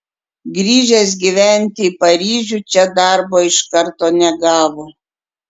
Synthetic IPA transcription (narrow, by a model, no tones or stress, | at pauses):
ɡɾʲiːʒʲes̬ɡʲiʋʲæˑnʲt̪ʲɪiːpɐɾʲiːʒʲuːt͡ʃʲɛd̪ɑˑɾboːɪʃkɐɾt̪oːnʲɛɡɑːʋoː